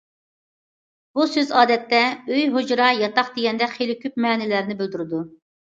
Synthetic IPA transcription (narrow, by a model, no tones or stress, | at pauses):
b̥usøzɑːd̪ɛt̪ːɛøjɦod͡ʒɾɑjɑt̪ɑχd̪eɡʲɛnd̪ɛχelɪkʲʰyp̚mɛːnɪlæɾnɪbyld̪yɾɪd̪u